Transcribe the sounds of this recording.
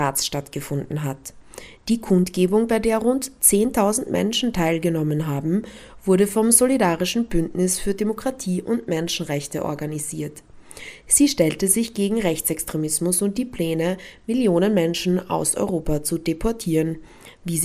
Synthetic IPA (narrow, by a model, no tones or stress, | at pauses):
aːsʃtatɡ̥əfʊndn̩ɦatd̥iːkʰʊntɡ̥eːbʊŋbaɪdeːɐʁʊntt͡seːntʰaʊzn̩tmʔɛ̰nʃn̩tʰaɪlɡənɔmənɦaːbm̩v̥ʊɐɾəfɔmzolidaːʁɪʃn̩bʏntnɪsfyːɐdemokʁ̥atʰiːʔʊntmɛnʃn̩ʁɛçtəʔɔ̰ɐɡaniziːɐt | z̥iːʃtɛltəzɪçɡ̥eːɡŋ̩ʁɛçt͡sɛkstʁ̥emɪsmʊsʊnt̚d̥iːpl̥ɛːnəmɪljoːnənmɛnʃn̩a̰ʊsɔ̰ʏʁoːpat͡sudepʰɔɐtʰiːʁən | viːz